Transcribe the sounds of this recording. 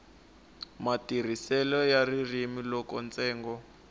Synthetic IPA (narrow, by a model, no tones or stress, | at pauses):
matir̤isɛlɔjaririmilɔkɔnt͡sɛːŋɡɔ